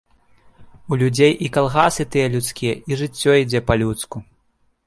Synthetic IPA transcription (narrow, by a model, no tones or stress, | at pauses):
ulʲud͡zʲejʔikalˠɣasɨt̪ɨjɛlʲut̪skʲijɛʔiʐɨt͡sʲːɔid͡zʲɛpɐlʲut̪sku